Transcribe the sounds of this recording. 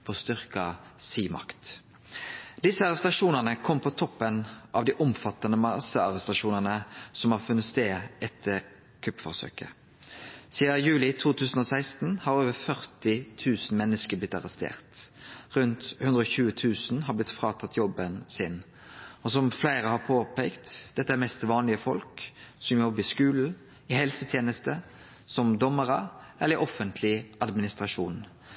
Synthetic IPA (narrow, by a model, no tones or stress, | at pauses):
pʰɔst̪ʏʁkɑsiːmɑ̰kt̪ | d̪ɪsəɑʁɛst̪ɑʂuːnəʁnəkʰɔmːpʰɔt̪ʰɔpːənʔɑʋd̪iːʔɔmfɑt̪ːɑnəmɑsəɑʁɛst̪ɑʂuːnənəsɔmhɑɾfʉnːət̪st̪eːɛt̪ʰːəɾ | kʰʉpfɔʁsø̰ːkə̰ | siːəjʉːlɪt̪ʰuːt̪ʰʉːsən̩ɔsæɪst̪n̩hɑɾoːʋəɾfœʁt̪ɪt̪ʰʉːsn̩mɛnːəskəblɪt̪ːɑʁɛst̪ḛːʁt̪ʁʉnt̪hʉnd̪ɾəɔçʉːət̪ʰʉːsn̩hɑblɪt̪fɾʁɑːt̪ʰɑt̪ʰːjɔbənsɪn | ɔsɔmflæɪʁəhɑpʰoːpʰɛɪkt̪d̪̥ɛt̪ːəæɾmɛst̪ʋɑːnlɪəfɔ̰lksɔmjɔbɪskʉːl̩ | ɪhɛlsət̪ʰjeːnəst̪ə | sɔmd̪ɔmːəʁəʔɛləʁəɾʔɔfənt̪ʰlɪʔɑd̪mɪnɪst̪ʁɑʂuːn